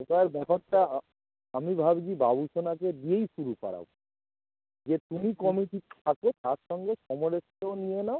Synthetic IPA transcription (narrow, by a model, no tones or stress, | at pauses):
okaeɾbɔkʰaʈːa | amibʱabd͡ʑibabuʃonak̬ed̪iejʃuɾupa̰ɾa̰b | d͡ʑet̪umikɔmiʈi̥t̪ʰakot̪aɾʃɔŋɡeʃɔmoɾest̪onienao